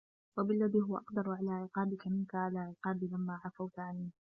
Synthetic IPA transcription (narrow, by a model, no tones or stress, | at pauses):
wabɪlːaðiːɦʊwaʔɑqd̪ɑɾˤʕalaːʕɪqɑːbɪkamɪnkaʕalaːʕɪqɑːbiːlamːaːʕafawt̪ʕanːiː